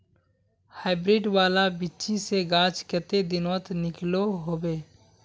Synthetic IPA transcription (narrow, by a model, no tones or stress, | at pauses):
haːɪbɾɪɖwaːlabɪʃiseɡãːt͡ʃkət̪ed̪ɪnət̪nɪkloɦoːbeː